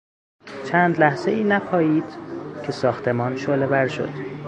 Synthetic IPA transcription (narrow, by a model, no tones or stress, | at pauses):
t͡ʃʰæːnd̪læhz̥eiːnæpʰɒːjiːd̪̥cʰe̞sɒːxt̪ʰe̞mɒːnʃoːlebæɾʃo̰d̪̥